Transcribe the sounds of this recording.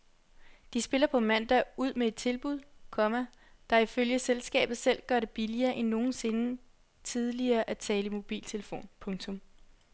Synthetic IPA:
d̥isb̥e̝lɐpʰɒ̽mæn̰d̥ɑuð̞̰ˠmee̝d̥̚t͡sʰe̝lb̥uð̞ˠkʰɒ̽mæ | d̥ɑ̈iføljəselsɡ̥ɛ̰ːb̥ð̩ˠsel̰ɡ̥ɶɐɾe̝b̥iliɐːʔenːo̝ːn̩se̝nə | t͡sʰið̞ˠliɐːʔæt͡sʰɛːləimo̝b̥ḭːlt͡sʰe̝ləfo̝̰ːnpʰɔ̽ŋt͡sʰɔ̽m

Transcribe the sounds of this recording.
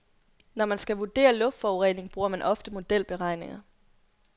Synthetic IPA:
nɒmænsɡ̥æʋud̥e̝̰ːɐlɔ̥̽d̥fɒʊʁḛːne̝ŋb̥ʁuːɐmænʔɒ̽fd̥əmo̝d̥el̰b̥e̝ʁɑ̈ɪ̰ne̝ŋɐ

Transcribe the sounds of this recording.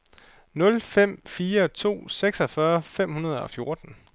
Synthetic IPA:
nɔ̽lfem̰fiːɐt͡sʰo̝̰ːseɡ̥sɒ̽fɶɐfem̰hunɐð̞ˠɒ̽fjo̝ɐd̥n̩

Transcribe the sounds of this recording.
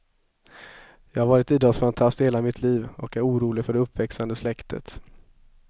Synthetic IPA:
jɑːɡhaɾvɑːɾɪt̪iːd̪ɑːsfant̪ʰast̪heːlamɪt̪ʰliːvɔkæɾuːɾuːlɪɡfœɖɛɵpːvɛksand̪əslɛkt̪ʰə̰t̪

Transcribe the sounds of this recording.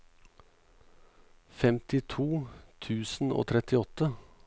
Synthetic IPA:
fɛmt̪ɪt̪ʰuːt̪ʰʉːsn̩ʔo̰ːt̪ʰɾɛt̪ɪɔt̪ə

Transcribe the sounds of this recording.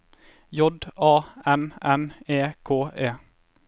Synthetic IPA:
jɔd̪ɑːɛnɛneːkʰoːʔeː

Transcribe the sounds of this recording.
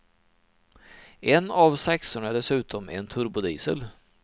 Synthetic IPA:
ɛnavsɛksʊɳaɖɛsʉ̟ːt̪ʰɔmɛ̰nt̪ʰɵɾbʊd̪iːsə̰l

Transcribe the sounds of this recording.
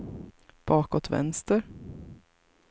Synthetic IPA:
b̥ɑːkɔt̪vɛ̰nst̪əɾ

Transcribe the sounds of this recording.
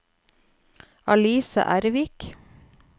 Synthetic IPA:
ɑliːsɑ̰ʔæɾʋik

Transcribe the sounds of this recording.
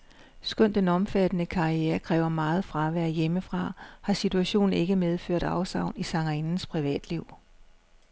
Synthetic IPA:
sɡ̥œn̰d̥enɒ̽mfæd̥ənəkʰɑ̈ieːɐkʰʁɛ̰ːʊɐmɑ̈ːð̞̩ˠfʁɑ̈ʋæɐ̰jeməfʁɑ̈hɑ̈sit͡sʰuæɕo̝̰ːn̩e̝ɡ̥əmeð̞ˠfø̰ɐ̰d̥ɑ̈ʊsɑ̈ʊ̰nisɑ̈ŋɐinn̩spʰʁiʋɛ̰ːd̥liʊ̰

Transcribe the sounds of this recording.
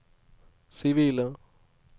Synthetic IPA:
siʋilə̃

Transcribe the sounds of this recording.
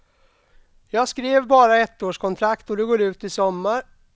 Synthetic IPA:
jɑːɡskɾeːvbɑːɾaɛt̪ːoːʂkʰɔnt̪ʰɾakt̪ɔd̪ɵɡoːɖʉ̟ːt̪ɪsɔmːaɾ

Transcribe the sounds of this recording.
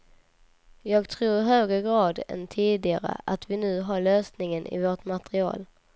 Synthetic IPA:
jɑːɡt̪ʰɾuːɾɪɦøːɡɾəɡɾɑːd̪ɛ̰nt̪ʰiːd̪ɪɡaɾə̰ʔat̪vɪnʉ̟ːɦaɭøːsnɪŋənʔɪ̰voʈmat̪ɛɾɪɑ̰ːl

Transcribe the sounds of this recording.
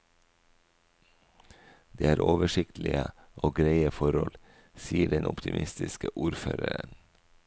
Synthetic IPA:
d̪eːæːɾʔoːʋəʃɪkt̪l̩ɪə | ʔoːɡɾeɪəfɔɾɔl | siːəɖɛnʊpt̪ɪmʔɪst̪ɪskəʔuːɾfø̰ːɾəɾən

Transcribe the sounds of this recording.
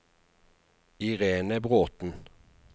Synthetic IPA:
ɪʁeːnəbʁoːt̪n̩

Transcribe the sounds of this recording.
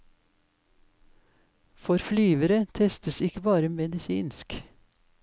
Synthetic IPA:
fɔɾflyːʋəɾət̪ʰɛst̪əsɪkəbɑːɾəmɛd̪ɪsḭːnsk

